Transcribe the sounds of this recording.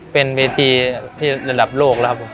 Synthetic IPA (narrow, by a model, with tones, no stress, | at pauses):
pe˧nweː˧t̪ʰiː˧t̪ʰiː˥˩ɾa˧da˨˩p̚loː˥˩k̚la˦˥kʰa˦˥pʰːo˨˩˦m